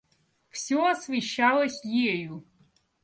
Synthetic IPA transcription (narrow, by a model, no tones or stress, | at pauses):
fsʲɔɐsvʲɪʃːalˠɐsʲjeju